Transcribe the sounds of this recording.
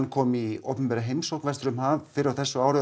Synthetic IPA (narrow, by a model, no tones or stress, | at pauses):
nkʰɔːmio̰wpʏnpɛɾaɦejmsowknvɛst̪ɾʏmhavfɪɾawθɛsːʏaːwɾɪ